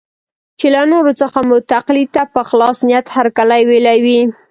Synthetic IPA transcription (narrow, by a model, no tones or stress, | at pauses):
t͡ʃelanoɾot͡səxamʊt̪aqlit̪apəxlɑsnijat̪haɾkalajwelawi